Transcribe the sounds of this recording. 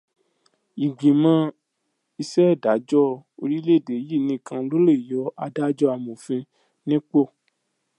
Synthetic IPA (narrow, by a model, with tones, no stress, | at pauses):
i˨ɡ͡bĩ˨mã˧˦ | i˧sɛ˦˨da˨˦d͡ʒɔ˦˨o˧ɾi˦le˦˨de˨˦ji˦˨nĩ˧˦kã˧lo˦le˦˨i˨jɔ˨˦a˧da˦d͡ʒɔ˦a˧˨mũ˨fĩ˧ | nĩ˦k͡po˦˨